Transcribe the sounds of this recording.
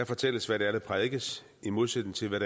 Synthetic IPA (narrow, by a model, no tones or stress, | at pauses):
æfɒ̽t͡sʰel̰əsʋæɾ̥eælð̩ˠpʰʁɛðˠɡ̥əs | imo̝ð̞ˠsed̥n̩t͡sʰe̝lʋæɾ̥e